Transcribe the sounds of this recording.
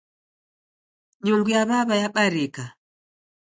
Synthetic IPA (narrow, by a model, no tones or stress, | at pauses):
ɲuŋɡujaβaβajaɓaɾɛka